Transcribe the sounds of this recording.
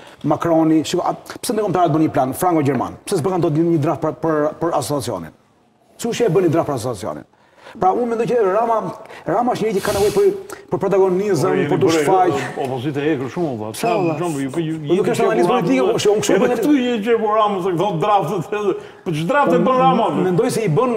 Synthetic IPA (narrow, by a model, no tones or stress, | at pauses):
makɾɔniʃika̰psɛnd̪əkɔmt̪aɾɛt̪̚bənɲəplanfɾaŋkɔɟɛɾma̰npsɛsɛp̬ɛɾkand̪ɔt̪ɲəd̪ɾaft̪̚ppəɾpəɾasɔt͡sat͡siɔ̰nḭn | siuʃɛɛbənɲəd̪ɾaftpəɾasɔt͡sat͡siɔ̰nḭn | pɾaumɛnd̪ɔjt͡ʃəɾamaɾamaəʃɲəɾit̪jɛkanɛvɔjpəpəɾpɾɔt̪aɡɔnizəmpɔɾt̪uʃfajɔpɔzit̪ɛɛkəɾʃumɔt̪a̰sɛɛʃɔmɛd̪ukɛʃt̪ɡanizmpɔlit̪ikɛʃɛunkʃumɛt̪uɛt͡ʃɛpɔɾamɐsɛkt̪ɔ̃d̪ɾaft̪ɛt̪ɛ | pd̪ɾaft̪ɛbənɾamɔmɛnd̪ɔjsɛibən